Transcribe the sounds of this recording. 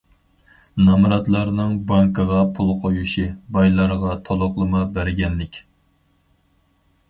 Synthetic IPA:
nɑmɾɑt̪lˠɑɾnɨŋbɑŋkəʁɑpʰulˠqʰojuʃibɑjlˠɑɾʁɑt̪ʰolˠoqlˠɨmɑbæɾɡʲɛnːɪkʲ

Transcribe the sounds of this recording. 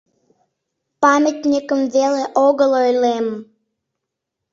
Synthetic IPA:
pɑmʲət̪ʲnʲikəmveleʔoɣəlojlem

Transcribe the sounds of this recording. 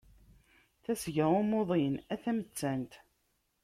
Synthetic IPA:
θæsʝæʁumoðˤinæθæmət͡sːænt̪

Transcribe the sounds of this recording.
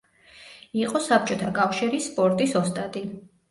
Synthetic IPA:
iqʼɔsap̚t͡ʃʼɔt̪ʰakʼafʃiɾispʼɔɾt̪ʼisɔst̪ʼad̪ʼi

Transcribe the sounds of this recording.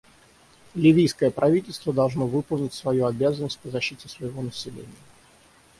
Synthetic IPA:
lʲɪvʲijskəjəpɾʔɐvʲitʲɪlʲst̪vəd̪ɐlˠʐnovɨpəlˠnʲɪtʲsvɐjuɐbʲazənːəsʲt̚ʲpəzɐɕːitʲɪsvəjɪvo̞nəsʲɪlʲḛnʲɪjə

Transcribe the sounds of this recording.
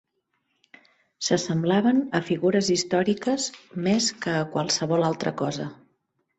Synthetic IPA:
səsəmblaβənəfiɣuɾəzist̪ɔɾikəzmeskəːkwəlˠsəβɔlalˠt̪ɾə̰kɔzə

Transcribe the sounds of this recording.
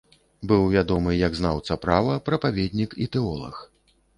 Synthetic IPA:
bɨwvʲad̪ɔmɨjɐɡznawt̪sɐpɾavɐpɾɐpavʲed̪ʲnʲikḭt̪ɛɔlˠɐ̰x

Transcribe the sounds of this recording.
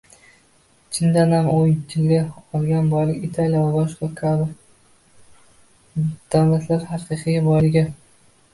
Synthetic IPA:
t͡ʃʰɪnd̪anhamoŋt͡ʃ̪ʰɪlɡʲaɒlˠɡʲanbɒjlɪkʲɪt̪ʰaljavabɒʃqɑkʰabɪɾ | d̪̥awlat̪ʰlaɾhɑqʰɨqʰɨjbɒjlɪɡʲa

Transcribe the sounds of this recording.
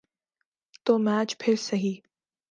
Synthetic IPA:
t̪oːmæːt͡ʃpʰɪɾsɐɦiː

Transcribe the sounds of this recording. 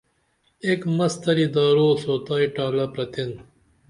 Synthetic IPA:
eːkmɐst̪ɐɾid̪aːɾoːsoːt̪aːiʈaːlɐpɾɐt̪in

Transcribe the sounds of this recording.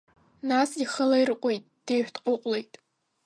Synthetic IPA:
nasiχəlairɨqʷʼojtʼd̥ejħʷᶣdʼqʼʊqʷʼlejtʼ

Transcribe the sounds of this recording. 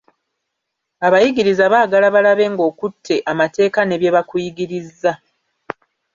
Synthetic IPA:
aβajiɡiɾizaβaːɡalaβalaβe̞ːŋɡo̞ːkutʰːe̞ʔamate̞ːkane̞βje̞βakujiɡiɾizːa

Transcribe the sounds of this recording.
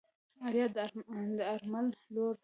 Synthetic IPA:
aɾjɑt̪̚d̪d̪əaɾmalloɾ

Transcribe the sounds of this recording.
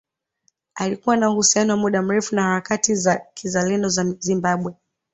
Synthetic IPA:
alikuwanauhusianɔwamuɗam̩ɾɛfunahaɾakatizakʰizalɛndɔzazimbaɓwɛ

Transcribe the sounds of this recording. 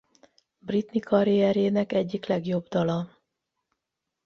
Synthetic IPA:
brit̪nikʰɒɾijɛɾeːnɛkɛɟːiklɛɡjo̞bd̪ɒlɒ

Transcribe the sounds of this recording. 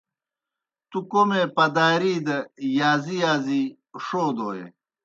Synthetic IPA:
t̪ukomepɐd̪aːɾiːd̪ɐjaːzijaːzi | ʂoːd̪oːjḛ

